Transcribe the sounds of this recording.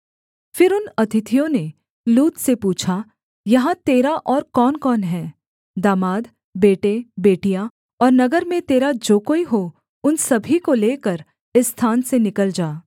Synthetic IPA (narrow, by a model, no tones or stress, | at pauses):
fɪɾʊnɐt̪ʰɪt̪ʰijõne | luːt̪sepuːt͡ʃʰa | jɐɦãt̪eːɾaʔɔːɾkɔːnkɔːnɦɛː | d̪aːmaːd̪ | beːʈebeːʈijã | ɔːɾnɐɡəɾmẽt̪eːɾad͡ʒoːkoːiɦo | ʊnsɐbʱikoleːkəɾ | ɪst̪ʰaːnsenɪkəld͡ʒaː